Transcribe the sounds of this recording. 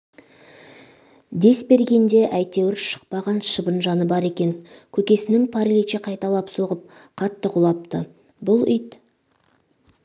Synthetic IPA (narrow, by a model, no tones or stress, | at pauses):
d̪e̞sbe̞ɾɡʲe̞nd̪e̞ʔæjt̪e̞wɪɾʃə̥q̚pɑʁɑnʃəbənʒɑnəbɑɾe̞kʲe̞ŋkʲʰɵkʲe̞sɪnɪŋpʰɑɾelit͡ʃeqʰɑjt̪ɑlˠɑpso̞ʁəp̚ | qʰɑt̪ːəqʰʊlˠɑp̚t̪ə | bʊlˠʏjt̪